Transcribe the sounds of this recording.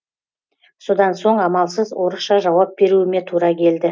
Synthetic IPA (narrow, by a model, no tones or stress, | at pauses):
so̞d̪ɑnso̞ɴɑmɑlˠsəzwo̞ɾəsʃɑʒɑwɑp̚be̞ɾuɪme̞t̪ʰuɾɑkʲʰe̞ld̪ɪ